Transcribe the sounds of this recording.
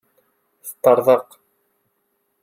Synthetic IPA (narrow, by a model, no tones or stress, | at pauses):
θə̥t̪ːɑɾˤðˤəq